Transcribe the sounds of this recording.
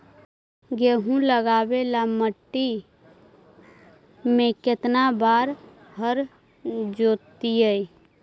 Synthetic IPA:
ɡeːɦũləɡaːbelaməʈːi | mẽkɪt̪nabaːɾ | ɦəɾ | d͡ʒoːt̪iɛi

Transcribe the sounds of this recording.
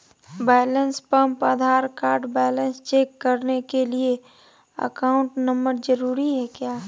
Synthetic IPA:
bɛːɪlənspə̃mpəd̪ʱaːɾkaːɾɖbɛːlə̃nst͡ʃeːkːəɾnekelie | ə̰kaːʊ̃ɳʈnə̃mbəɾd͡ʒəɾuːɾiɦɛkjaː

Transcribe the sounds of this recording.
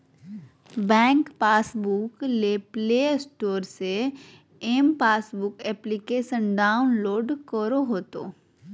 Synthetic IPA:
bɛ̃ːŋkpaːsbʊkleːplesʈoːɾse | eːmpaːsbʊkɛːplikeːʃənɖaːʊnloːɖkəɾoɦoːt̪o̰ː

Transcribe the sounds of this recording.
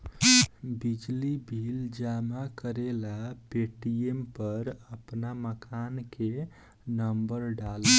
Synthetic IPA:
bid͡ʒlibʱild͡ʒamakəɾelapeʈiempəɾəpnaməkanke | nəmbəɾɖalə

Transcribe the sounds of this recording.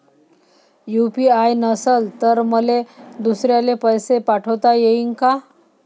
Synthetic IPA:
jupiajnəsəlt̪əɾməled̪usɾjalepəjsepaʈʰəwt̪ajeiŋka

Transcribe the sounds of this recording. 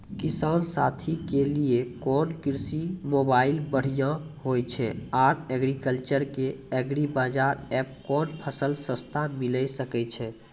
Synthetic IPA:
kisansat̪ʰikeliekɔnkiɾsimobailbəɽ̤ijãhojt͡ʃʰɛaɾɛɡɾikəlt͡ʃəɾkeɛɡɾibad͡ʒaɾɛp̚kɔnpʰəsəlsəst̪ʰamiləjsəkɛt͡ʃʰɛ

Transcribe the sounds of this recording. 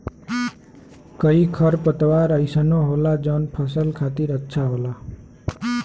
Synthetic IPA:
kəikʰʌɾpət̪ʋaɾəjsənoɦolad͡ʒɔnpʰəsəlkʰat̪iɾətːʃʰaɦola

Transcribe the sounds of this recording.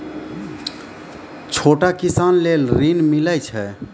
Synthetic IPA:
t͡ʃʰoʈakisanlelɾinmiləjt͡ʃʰɛ

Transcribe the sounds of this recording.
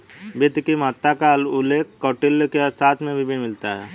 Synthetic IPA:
bɪt̪kimaːt̪akalʊleːkːɔːʈɪlkeɐɾsaːt̪ʰmẽbʱibʱɪnmɪlt̪aɦɛː

